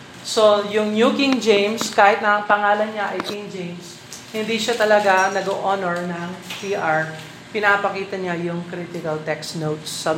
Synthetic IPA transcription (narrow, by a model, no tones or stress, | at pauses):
so̞jʊŋnjukɪŋd͡ʒejmskaːhɪt̪̚nɐɐŋpɐŋaːlɐnɲaʔɐjkɪŋd͡ʒejms | hɪnd̪iʃat̪ɐlɐɡanɐɡoʔonɔɹnɐŋt̪iʔaɹ | pɪnaːpɐkiːt̪ɐɲajʊŋkɾit̪ɪkɐlt̪ɛksnowt̪sːɐ